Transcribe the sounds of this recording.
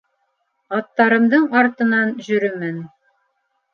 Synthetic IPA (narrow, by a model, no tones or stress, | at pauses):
ɑt̪ːɑɾɤ̆md̪ɤɴɑɾt̪ɤ̆nɑnʑɵ̆ɾɵmæn